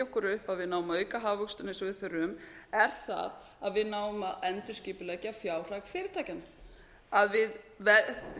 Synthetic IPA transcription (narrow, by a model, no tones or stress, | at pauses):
ɔhkʏɾʏhpaðvɪðnaːwmœːɥkaɦaːvvʏkst̪ʏnɪsɔvɪðθœɾʏmɛɾ̥θa̰ð | aðvɪðnaːwʏmaʔɛnt̪ʏsciːpʏlɛcɪafjaːwr̥aɣfɪːɾɪ̥t̪ʰaːjcana | aðvɪðvɛ